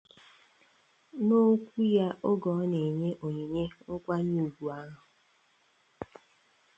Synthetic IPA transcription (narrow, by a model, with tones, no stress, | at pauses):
no˦kʷu˦ja˦ʔo˦ɡɔ˨˦ne˨ɲe˦ʔo˨ɲe˨ɲe˦ʊ˦kʷa˦ɲu˦u˨ɡʷu˨a˦ɦʊ˨